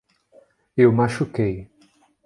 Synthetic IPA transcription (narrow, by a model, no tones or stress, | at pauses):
ewmaʃukej